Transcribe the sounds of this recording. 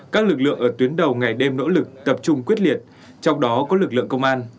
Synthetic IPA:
kaː˦˥k̚lɨ˨˩k̚lɨ̰˧˨əŋʔəː˧˩t̪wi˨˦ənɗə˨˩wŋa˨˩jɗe˧mno̰˧˥lɨ˨˩k̚t̪ə˨˩p̚t͡ɕʊ˧ŋ͡mkwi˦˥ət̚li˨˩ət̚ | t͡ɕɔ˧wŋ͡mɗɔ˨˦kɔ˨˦lɨ˨˩k̚lɨ̰˧˨əŋkə˧wŋ͡mʔaː˧n

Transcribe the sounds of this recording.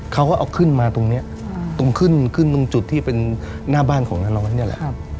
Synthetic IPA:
kʰa˦˥wkɔː˥˩ʔwkʰɯ˥˩nmaː˧t̪o˧ŋni˦˥ɐʔ | t̪o˧ŋkʰɯ˥˩nkʰɯ˥˩nt̪o˧ŋt͡ɕu˨˩t̪ʰːiː˥˩pe˧nː | aː˥˩baː˥˩nkʰɔː˩˦ŋnaː˥˩nɔː˦˥n˧ni˦˥˩ɐ˨lɛ̰˨ʔ

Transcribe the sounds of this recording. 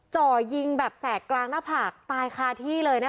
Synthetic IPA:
t͡ɕɔː˨˩ji˧ŋbɛː˨˩p̚sɛː˨˩klaː˧ŋnaː˦˥˩pʰaː˨˩k̚t̪aː˧jxʰaː˧t̪ʰiː˥˩lɤː˧jna˦˥

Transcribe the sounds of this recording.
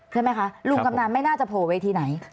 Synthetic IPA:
t͡ɕʰa˥˩jma˦jkʰa˦˥lu˨˧˩ŋka˧mnaː˧˩nma˥˩jnaː˥˩t͡ɕa˨˩pʰoː˨˩we˧jt̪ʰiː˧na˩˦j

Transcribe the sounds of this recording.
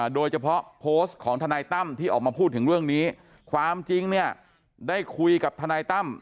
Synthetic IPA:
doː˧jt͡ɕʰa˧pʰɔ˦˥pʰoː˦˥stkʰɔː˩˦ŋt̪ʰa˧naː˧jt̪a˥˩mt̪ʰiː˥˩ʔɔː˨˩k̚maː˧pʰuː˥˩t̪ʰːɯ˩˦ŋɾɯ˥˩əŋniː˦˥ | kʰwaː˧mt͡ɕi˧ŋni˥˩ə | daː˥˩jkʰu˧jka˨˩p̚t̪ʰaː˧naː˧jt̪a˥˩m

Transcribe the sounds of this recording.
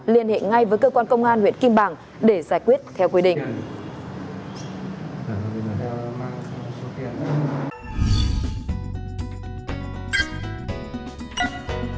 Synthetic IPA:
li˧˩ənhḛ˧˨ŋa˧jvəː˨˦jkəː˧kwaː˧nkə˧wŋ͡mʔaː˧nhwḭ˧˨ənki˧mɓaː˧˩ŋ | ɗe˧˩zaː˧˩jkwi˦˥ət̚t̪ʰɛ˧wkwi˨˦ɗḭ̈˧˨ŋ | t̪ʰə˨˩a˨˧˩vi˨˩nəː˨˩t̪ʰɛ˧wma˧so˨˦t̪ḭ˧˨ən˧˦

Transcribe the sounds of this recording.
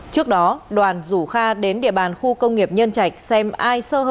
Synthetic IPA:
t͡ɕɨ˦˥ək̚ɗɔ˨˦ɗwaː˨˩nzu˧˩xaː˧ɗe˨˦nɗḭ˧˨əɓaː˨˩nxu˧kə˧wŋ͡mŋi˨˩əp̚ɲə˧nt͡ɕa˨˩jk̟̚sɛ˧mʔaː˧jsəː˧ɦə˧

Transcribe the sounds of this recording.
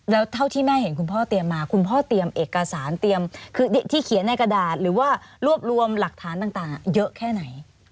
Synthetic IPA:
lɛː˦˥wt̪ʰa˥˩wt̪ʰiː˥˩mɛː˥˩he˩˦nkʰu˧npʰɔː˥˩t̪i˧əmːaː˧kʰu˧npʰɔː˥˩t̪i˧əmʔeː˨˩kːa˧saː˩˦nt̪i˧əmkʰɯː˧de˨˩t̪ʰiː˥˩kʰi˨˩˦nːa˧jka˧daː˨˩t̪̚ɾɯː˩˦waː˥˩ɾu˥˩əp̚ɾu˧əmla˨˩k̚t̪ʰaː˩˦nt̪aː˨˩ŋt̪aː˨˩ŋa˨˩jɤ˦˥ʔkʰɛː˥˩na˩˦j

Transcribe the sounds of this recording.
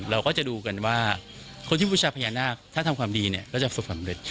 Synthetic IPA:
ɾa˧wkɔː˥˩t͡ɕa˨˩duː˧ka˧nwaː˥˩ | kʰo˧nt̪ʰiː˥˩uː˧˩t͡ɕʰaː˧pʰa˧jaː˧nːaː˥˩k̚t̪ʰa˥˩t̪ʰa˧mkʰwaː˧mdiː˧ni˦˥˩ɐkʰa˦˩t͡ɕa˨˩su˨˩k̚sa˨˦mɾe˨˩t̪̚

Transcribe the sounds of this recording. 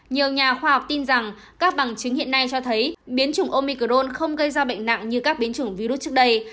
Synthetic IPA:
ɲi˨˩əwɲaː˨˩xwaː˧ha˨˩wk͡p̚t̪i˧nza˨˩ŋ | kaː˦˥k̚ɓa˧˩ŋt͡ɕɨ˨˦ŋhḭ˧˨əna˧jt͡ɕɔ˧t̪ʰə˨˦jɓi˨˦ənt͡ɕʊ˧˩ŋʔo˧mi˧kə˨˩zo˧nxə˧wŋ͡mɣə˧jzaː˧ɓə̰˧˨jŋ̟na̰˧˨ŋɲɨ˧kaː˦˥k̚ɓi˨˦ənt͡ɕɨ˧˩əŋvi˧ɾu˦˥t̚t͡ɕɨ˦˥ək̚ɗə˧j

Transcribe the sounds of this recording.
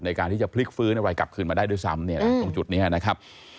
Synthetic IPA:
na˧jkaː˧nt̪ʰiː˥˩t͡ɕa˨˩pʰli˦˥k̚fɯː˦˥na˧wɾaː˧jka˨˩p̚kʰɯː˧nmaː˧daː˥˩jdu˥˩jsa̰˦˥mni˥˩ɐ˧to˧ŋt͡ɕu˨˩t̪̚niː˦˥ʔa˨˩na˦˥kʰa˦˥p̚

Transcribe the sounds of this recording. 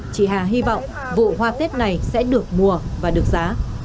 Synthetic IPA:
t͡ɕḭ˧˨˩ɦaː˨˩ɦi˧vɔ̰˧˨wŋ͡m | vṵ˧˨ɦwaː˧t̪e˦˥t̚na˨˩jsɛ̰˧˥ɗɨ˨˩ək̚mu˨˩əvaː˨˩ɗɨ˨˩ək̚zaː˨˦

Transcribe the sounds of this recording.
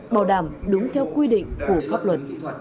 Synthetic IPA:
ɓaː˧˩wɗaː˧˩mɗʊ˨˦ŋ͡mt̪ʰɛ˧wkwi˧ɗḭ̈˧˨ŋ̟ku˧˩əfaː˦˥p̚lwə˨˩t̚

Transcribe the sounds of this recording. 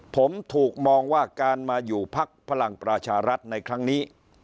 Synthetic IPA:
pʰo˩˦mt̪ʰuː˨˩k̚mɔː˧ŋwaː˥˩kaː˧nmaː˧juː˨˩pʰa˦˥k̚pʰa˧la˨˩ŋpɾa˧t͡ɕʰaː˧ɾa˦˥t̪̚na˧jkʰɾa˦˥ŋniː˦˥

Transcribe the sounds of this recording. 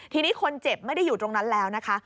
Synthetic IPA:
t̪ʰiː˧niː˦˥kʰo˧nt͡ɕe˨˩p̚ma˥˩jda˥˩juː˨˩t̪ɾo˧ŋna˦˥nlɛː˦˥wna˦˥kʰa˦˥

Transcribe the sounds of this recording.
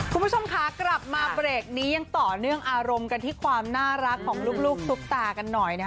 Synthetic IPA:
kʰu˧nmʰpt͡ɕʰo˧mkʰaː˦˥kla˨˩p̚maː˧bɾeː˨˩k̚niː˦˥ja˧ŋt̪ɔː˨˩nɯ˥˩əŋʔaː˧ɾo˧mka˧nt̪ʰiː˥˩kʰwaː˧mnaː˥˩ɾa˦˥kʰːɔː˩˦ŋluː˥˩k̚luː˥˩k̚su˦˥k̚t̪aː˧ka˧nːɔ˨˩jna˦˥

